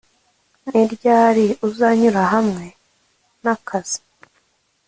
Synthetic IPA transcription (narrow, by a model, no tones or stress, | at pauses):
niɾɟaːɾiuzaɲuɾaɦamŋe̞ | nakʰaz̥i̥